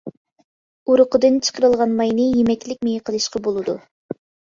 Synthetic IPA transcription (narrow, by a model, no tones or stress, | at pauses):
uɾʊqəd̪ɨnt͡ʃʰə̥qʰəɾɨlˠʁɑnmɑjnɨjemɛkʲlɪkʲmejqʰəlˠɨʃqʰɑbolˠɨd̪u